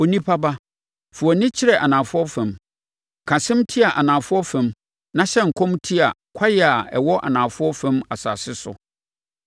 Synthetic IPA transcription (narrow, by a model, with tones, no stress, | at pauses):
o˨nĩ˦pʰa˦ba˦ | fʊ˨ɔ˨nɪ̃˦t͡ɕʰɪ˦ɾɛ˨ʔa˨nãː˨fʊ˦ɔ˦fɛ̃˨m | kʰã˨sɪ̃˦mtʰi˦a˨ʔa˨nãː˨fʊ˦ɔ˦fɛ̃˨m | nã˦ɕɛ˦ŋ̩˨kʰɔ̃˦mtʰi˦a̰˨kʷʰa˦jɛ˦˨a˨ɛ̰˨wɔ˦ʔa̰˨nãː˨fʊ˦ɔ˦fɛ̃˦ma˨sa̰ː˨sɪ˦sʊ̰˨